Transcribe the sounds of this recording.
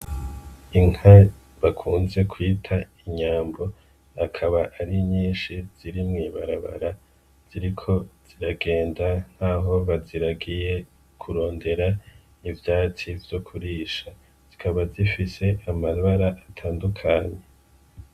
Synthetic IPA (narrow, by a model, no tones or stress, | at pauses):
iŋ̥ha | βakʰuːnze̞kʰwiːtʰaiɲaːmbo̞ | akʰaβaʔːɾiɲiːnʃiz̥iɾimŋiːβaɾaβa̰ɾa | z̥iɾikʰo̞z̥iɾaɡe̞ːndan̥haːɦo̞βaziɾaɡije̞ | kʰuɾo̞ːnde̞ɾa | ivjaːt͡sivjo̞kʰuɾiːʃa | z̥ikʰaβazifise̞ʔamaβaɾaʔatʰaːndukʰaɲe̞